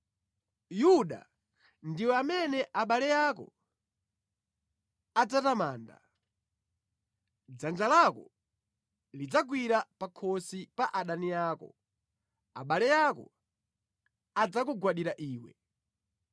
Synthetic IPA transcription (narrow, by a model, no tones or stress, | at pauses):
juɗa̰ | ndiwɛamɛnɛʔaɓalɛjakɔ̰ | ad͡zatamaːnda̰ | d͡zand͡ʒalakɔ̰ | lid͡zaɡ̬wiɾapakʰɔsipaʔaɗanijaːkɔ̰ | a̰ɓalɛjakɔ̰ | ad͡zakuɡwaɗiɾaʔiːwɛ̰